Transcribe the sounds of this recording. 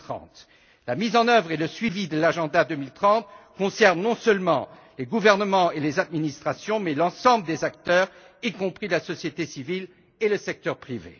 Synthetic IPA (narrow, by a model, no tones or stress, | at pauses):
t̪χɑ̰̃t̪ | lamizɑ̃nœvʁeləsɥivid̪əlaʒɑ̃d̪ad̪ømilt̪χɑ̃t̪̚kɔ̃sɛʁnːɔ̃sœlmɑ̰̃ | leɡuvɛʁnəmɑ̃elezad̪minist̪χasjɔ̃mɛlɑ̃sɑ̃bləd̪ezak̚t̪œʁ | ikɔ̃pχilasɔsjet̪esivil | eləsɛk̚t̪œʁpχivḛ